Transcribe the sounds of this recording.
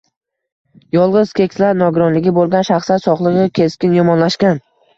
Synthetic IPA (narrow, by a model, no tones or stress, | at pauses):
jɒlˠʁɨz̥kʲʰe̞kʲslaɾnɒɡʊɾɒnlɪɡʲɪbolˠɡʲanʃaχsat̪sɒχlˠɨʁɨkʲʰe̞skʲɪnjɒmɒnlaʃkʲan